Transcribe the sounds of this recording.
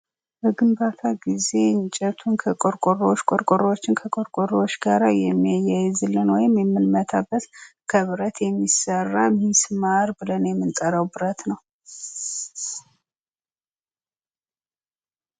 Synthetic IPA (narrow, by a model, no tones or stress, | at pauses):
bəɡɨmbat̪ʰaɡize̞nt͡ʃʼɛt̪ʰunkʰəkʼoɾkʼorot͡ʃːkʼoɾkʷʼoɾowot͡ʃːɪnkʰəkʼoɾkʼoɾwot͡ʃːɡaɾajɛmːijajːajzɨlːɨnwɔjɪmjɛmːɨlmət̪ʰabːət̪kʰəβɨɾət̪ʰjɛmːisərːamismaɾbɨlənjɛmːɨnt̪ʼəɾəwbɨɾət̪nəw